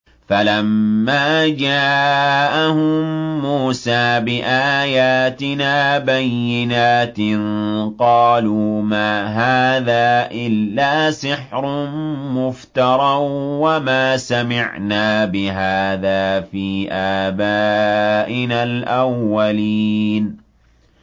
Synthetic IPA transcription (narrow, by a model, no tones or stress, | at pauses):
falamːaːd͡ʒaːʔahʊmːuːsaːbɪʔaːjaːt̪ɪnaːbajːɪnaːt̪ɪnqɑːluːmaːɦaːðaːʔɪlːaːsɪħɾʊmʊft̪ɑɾˤɑwwamaːsamɪʕnaːbɪɦaːðaːfiːʔaːbaːʔɪnalʔawːaliːn